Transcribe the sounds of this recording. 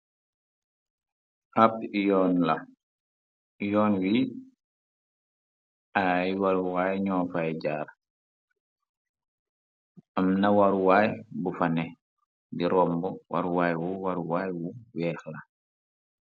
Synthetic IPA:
ap̚jɔːnlɐ | jɔːnwi | ajwaɾuwaːjɲɔːfajɟaːɾ | ʔɐmnɐwaɾuwaːjbufanɛ | diɾɔːmbɔwʔa̰ɾuwaːjwuwaɾuwaːjwuwɛːxla

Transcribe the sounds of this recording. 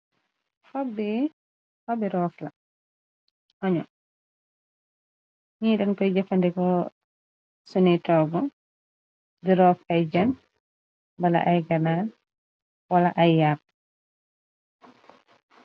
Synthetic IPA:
hɔbːi | hɔbiɾɔːfla̰ | ʔɔɲɔ | ɲiːɗɛnkɔjd͡ʒɛfandɛkɔ | sunitɔːɡɔ | diɾɔːfajd͡ʒan | bala̰ʔajɡanaːn | walaʔajːap̚

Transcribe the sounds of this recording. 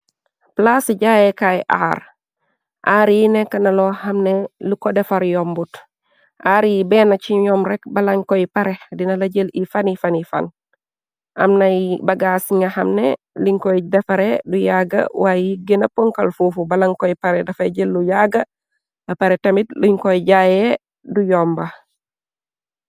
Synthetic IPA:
plasɟajekajʔa̰ːɾ | ʔaɾjinekɐnɐlohɐmnelukodefaɾjombut | ʔaːɾjibɛnat͡ʃiɲɔmɾɛk̚bɐlɐŋkoipaɾedinɐlɐɟelifanifanifa̰n | a̰mnabɐɡasiŋahɐmne | liɲkoidefaɾedujaɡɐ̰wajiɡenɐpoŋkalfuːfubalaŋkoipaɾɛdɐfaɟelːujaɡɐ | bɐpaɾetemitliɲkoiɟaje | dujɔmba

